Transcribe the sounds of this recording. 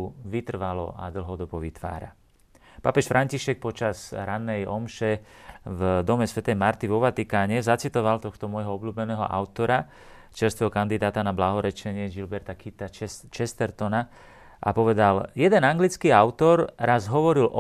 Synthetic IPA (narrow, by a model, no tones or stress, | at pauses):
uʋit̪r̩ʋalɔ̰a̰d̪l̩ɦɔd̪ɔbɔʋit̪ʋa̰ːɾa̰ | papɛʃfɾʔaɲciʃɛk̚pɔt͡ʃazɾanːɛjɔmʃɛ | vd̪ɔmɛsʋɛt̪ɛjmaɾt̪iʋɔʋat̪ikaːɲɛzat͡sit̪ɔʋalt̪ɔxt̪ɔmʊɔjɦɔɔbluːbɛnɛːɦɔ̰ʔa̰ʊt̪ɔɾa | t͡ʃɛɾst̪ʋɛɦɔkand̪id̪aːt̪anablaɦɔɾɛt͡ʃɛɲɪɛʒilbɛɾt̪akit̪at͡ʃɛst̪ɛɾt̪ɔna | ʔa̰pɔʋɛd̪aljɛd̪ɛnaŋɡlit͡skiaʊt̪ɔɾɾazɦɔʋɔɾilʔɔ